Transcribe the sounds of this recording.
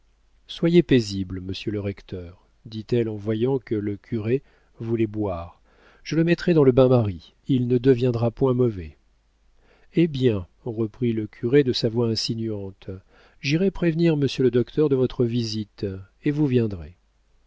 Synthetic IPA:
swajepezibləməsjøləʁɛkt̪œʁ | d̪it̪ɛlɑ̃vwajɑ̃kələkʲʰyʁe | vulɛbwaːʁ | ʒ̥ələmɛt̪χɛd̪ɑ̃ləbɛ̃maʁi | ilnəd̪əvjɛ̃d̪ʁapwɛ̃mɔvɛ | ebjɛ̃ | ʁəpχiləkʲʰyʁed̪əsavwaɛ̃sinyɑ̃t̪ | ʒiʁɛpχevniʁməsjøləd̪ɔkt̪ʰœʁd̪əvɔt̪χəvizit̪ | evuvjɛ̃d̪ʁḛ

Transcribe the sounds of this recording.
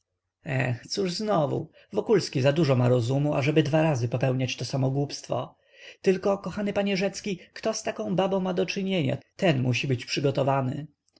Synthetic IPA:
ɛxt̪suʐznɔvṵ | vɔkulskʲizad̪uʐɔmaɾɔzumuʔa̰ʐɛbɘd̪vaɾazɘpɔpɛwɲat͡ɕt̪ɔsamɔɡwupst̪fɔ̰ | t̪ɘlkɔkɔxanɘpaɲɛʐɛt̪skʲikt̪ɔst̪akɔ̃w̃babɔ̃w̃mad̪ɔt͡ʂɘɲeɲa̰t̪ɛnmuɕibɘt͡ɕpʂɘɡɔt̪ɔvanɘ̰

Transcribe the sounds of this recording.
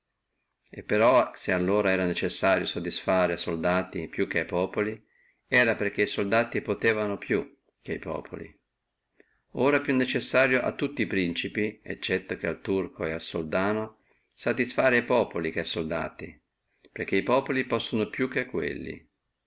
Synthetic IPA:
epːeɾɔsealːoːɾaɛːɾanet͡ʃesːaːɾjosod̪isfaːɾeasold̪aːt̪ipjuk̟ːeajpɔːpoli | ɛːɾaperk̟eisold̪aːt̪ipot̪eːvanopju | k̟eajpɔ̰ːpʰo̰lḭ | oːɾapjunːet͡ʃesːaːɾjoʔa̰t̪ːut̪ːiːpɾint͡ʃipiḛt͡ʃːɛt̪ːok̟ealt̪urkʰoealsold̪aːno | sad̪isfaːɾeajpɔːpolik̟eajsold̪a̰ːt̪i | perk̟ːeipɔːpolipɔsːonopjukːeakːwḛlːḭ

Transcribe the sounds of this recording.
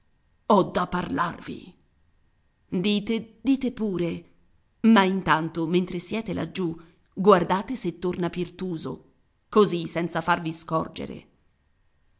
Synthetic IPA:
ɔd̪ːapːarla̰rvḭ | d̪iːt̪ed̪̥iːt̪epuːɾe | maint̪ant̪oment̪ɾesjɛːt̪ela̰d͡ʒːu | ɡward̪aːt̪eset̪ːornapirt̪uːzo̰ | kozisɛnt̪safarviskɔrd͡ʒḛɾḛ

